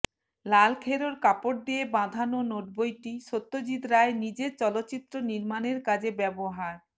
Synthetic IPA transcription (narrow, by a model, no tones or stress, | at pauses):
lalkʰeɾoɾkapoʈ̚d̪ijebãd̪ʱanonoʈbojʈiʃot̪ːod͡ʑid̪ɾaenid͡ʑeɾt͡ɕɔlotːt͡ɕit̪ːɾoniɾmaneɾkad͡ʑebɛboɦaɾ